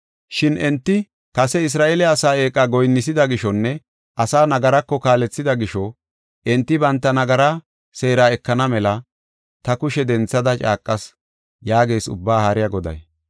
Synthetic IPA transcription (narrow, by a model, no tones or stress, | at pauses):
ʃɪnʔɛnt̪ːɪ | kɐsɛɪs̬ɾaːʔeːlɛɐsaːe̞ːkʼːaɡɔjnːɪsɪd̪ɐɡɪʃɔnːɛ | ʔɐsaːnɐɡɐɾɐkːɔkaːlɛt͡sːɪd̪ɐɡɪʃɔ | ʔɛnt̪ːɪbɐnt̪ːɐnɐɡɐɾɐ | se̞ːɾaːɛkːɐnɐmɛlɐ | t̪ɐkʊʃɛd̪ɛnt͡sːɐd̪ɐt͡ʃʼa̰ːkʼːɐs | jaːɡe̞ːsʊ̰bːaːhaɾɪjɐɡɔd̪ɐ̰j